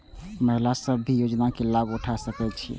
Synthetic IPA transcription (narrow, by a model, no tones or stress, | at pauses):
məɦlasəbːijod͡ʒnakelabuʈʰasəkɛt͡ʃʰḭ